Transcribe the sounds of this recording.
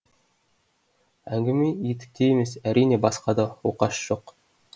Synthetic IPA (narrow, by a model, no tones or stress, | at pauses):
æŋɡɘ̆mijit̪ɘ̥̆k̚t̪ʰʲejimesæɾinʲebɑsqɑd̪ɤuqɑʃɕoq